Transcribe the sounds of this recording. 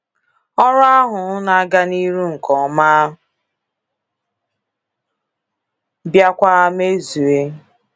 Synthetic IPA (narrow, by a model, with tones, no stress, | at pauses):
ɔ˦ɾa˦ɦʊ˨˦na˨a˦ɡa˦ni˦ɾu˦ŋ̩˨kɔ˨˦ma˦ | bja˦kʷa˦me˦zu˨e˦